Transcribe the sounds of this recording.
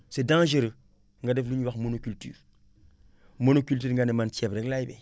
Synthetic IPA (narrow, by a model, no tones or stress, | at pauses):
sedãʒeɾə | ŋɡadefluɲwaxmonokylty̰ːɾ | monokylt̬yːɾŋɡanemantiɛbɾeklajbe